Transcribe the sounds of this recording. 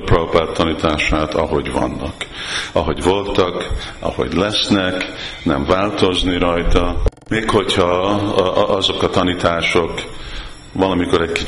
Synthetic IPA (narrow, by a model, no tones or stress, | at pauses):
propat̪ʰːɒnit̪aːʃaːt̪ɒ̰ɦo̞ɟvɒ̰nːɒ̰kɒɦo̞ɟvo̞lt̪ɒkɒ̰ho̞̰ɟlɛsnɛknɛɱvaːlt̪o̞zniɾɒjt̪ɒ | meːkho̞chɒ | ɒzo̞kɒt̪ɒnit̪aːʃo̞k | ʋɒlɒmiko̞ɾɛɟki